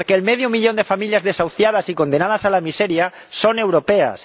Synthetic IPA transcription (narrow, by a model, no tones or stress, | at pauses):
ɾkeːlmeðjomiʎo̞nd̪efamiljazðesawθjað̞asiko̞nd̪e̞naðasalamise̞ɾja | so̞ne̞wɾo̞pea̰s